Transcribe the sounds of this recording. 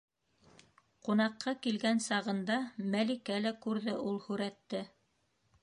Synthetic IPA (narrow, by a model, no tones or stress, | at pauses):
qunɑqʰːɑkilɡænsɑʁɤ̆nd̪ɑmælikælækʉɾðɘʔulˠhʉɾæt̪ːɘ